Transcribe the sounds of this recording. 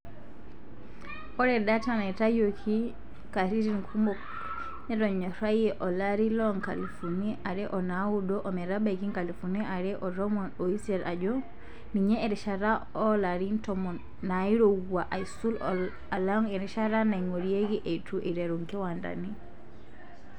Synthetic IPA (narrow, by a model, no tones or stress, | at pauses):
ɔɾɛɗatanaitajɔkʰi | kaɾiɾinkʰumbɔ | ɲɛɾɔɲɔɾajɛʔɔlaɾilɔŋka̰lifuniʔaɾɛʔɔnawudɔʔɔmɛɾabakiŋkalifuniʔaɾɛʔɔɾɔmɔnɔisɛɾad͡ʒɔ | niɲɛːɾɛʃaɾaɔlaɾintɔmɔ | naiɾɔuwaʔaisul | alaŋɛɾɛʃaɾanaiŋɔɾieɡiʔetʰuʔiɾɛɾuŋkɛwanda̰ni